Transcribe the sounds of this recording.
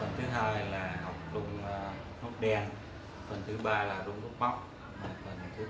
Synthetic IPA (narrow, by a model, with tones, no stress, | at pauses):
fə˨˩nt̪ʰɨ˨˦ɦaː˧jlaː˨˩ha˨˩wk͡p̚ɗʊ˧ŋ͡m | no˦˥t̚ɗɛ˧ən | fə˨˩nt̪ʰɨ˨˦ɓaː˧laː˨˩ɗʊ˧ŋ͡mɗu˦˥t̚ma˦˥wk͡p̚ | maː˨˩fə˨˩nt̪ʰɨ˨˦